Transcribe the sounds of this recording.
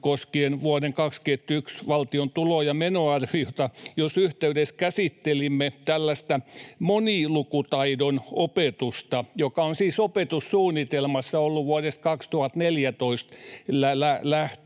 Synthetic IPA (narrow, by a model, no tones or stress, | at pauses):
koskienʋuɑdeŋkɑksket̪ːyksʋɑlt̪iont̪ulojɑmenoɑrʋiot̪ɑjosyht̪eydeskæsit̪ːelimːet̪ælːæst̪æmonilukut̪ɑidonopet̪ust̪ɑjokɑonsiːsopet̪ussuːnːˑit̪elmɑsːɑolːuʋuɑɾeskɑkst̪uhɑt̪neljæt̪oist̪lælælæht̪